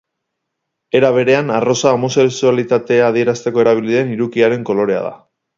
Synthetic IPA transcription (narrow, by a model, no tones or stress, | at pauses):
e̞ɾaβ̞e̞ɾe̞anaro̞saomo̞se̞ksualit̪at̪e̞aːðie̞ɾast̪e̞ko̞e̞ɾaβ̞iliðe̞niɾukiaɾe̞ŋko̞lo̞ɾe̞a̰ð̞a̰